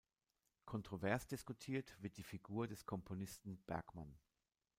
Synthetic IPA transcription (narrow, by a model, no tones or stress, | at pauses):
kʰɔntʁ̥ovɛɐsd̥ɪskutʰiːɐtv̥ɪɐt̚d̥iːfiɡuːɐdɛskʰɔmpʰonɪstn̩b̥ɛɐkman